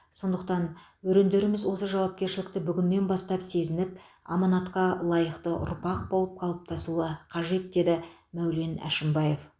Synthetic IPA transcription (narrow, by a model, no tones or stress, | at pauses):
so̞nd̪əqt̪ɑn | wɵɾe̞nd̪e̞ɾɪmɪzwo̞səʒɑwɑp̚kʲe̞ɾʃɪlɪk̚t̪ɪbʏɡʲɪnme̞nbɑst̪ɑpse̞zɪnɪpɑmɑnɑt̪qɑlˠɑjəqt̪əʔʊ̰ɾpɑq̚bo̞lˠəp̚qʰɑlˠəp̚t̪ʰɑsuəqʰɑʒe̞t̪̚d̪e̞d̪ɪmæwle̞næ̰ʃɪmbɑje̞f